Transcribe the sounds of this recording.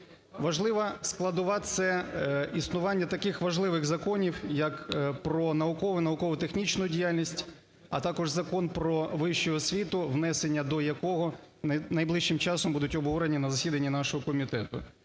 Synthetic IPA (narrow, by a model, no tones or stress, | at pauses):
ʋɐʒlˠɪʋɐsklˠɐd̪ʊʋɑt̪sɛisnʊʋɑnʲːɐt̪ɐkɪxʋɐʒlˠɪʋɪɣzɐkɔnʲiwjɐkpɾɔnɐʊkɔʋɪnɐʊkɔʋʊt̪exnʲit͡ʃnʊjʊdʲijalʲnʲisʲtʲ | ɐt̪ɑkɔʒzɐkɔnpɾɔʋɪʃt͡ʃɔɦɔsʲʋʲit̪ʊʋn̪ɛsenʲːɐd̪ɔjɐkɔɦɔnɐjblˠɪʃːɪmt͡ʃɑsɔmbud̪ʊtʲɔbʱɦɔɾenʲinɐzɐsʲid̪ɐnʲːinɑʃɔɦɔkɔmʲit̪ɛt̪ʊ